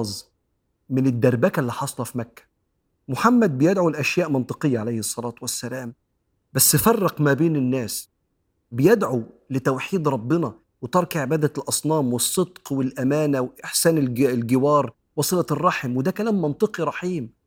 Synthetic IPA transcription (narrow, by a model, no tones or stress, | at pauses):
zˤ | mɪnɪd̪ːæɾˤbækælːiħɑsˤɑlɑfimækːæ̥ | mʊħamːæd̪̚bɪjed̪ʕulɪʔæʃjæːʔmɑnt̪ˤɨqejːaʕalæjhesˤːɑlɑːt̪wæsːælæːm | bæsːɪfɑrˤːɑqmæbeːnɪnːæːs | bɪjed̪ʕulɪt̪æwħiːd̪ɾˤɑbːɪnɑ | wet̪ɑɾˤkʕebæːd̪ælʔɑsˤnɑːmwɨsˤːɨd̪qwɪlʔæmæːnæwʔɪħsæːnɡlɡɪwɑːɾˤ | wɑsˤɨlɑrˤːɑħmwed̪ækælæːmːɑnt̪ˤɨqiɾˤɑħiːm